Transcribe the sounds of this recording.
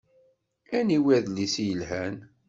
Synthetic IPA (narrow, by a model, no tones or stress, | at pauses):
æniwæðlisjəlɦæn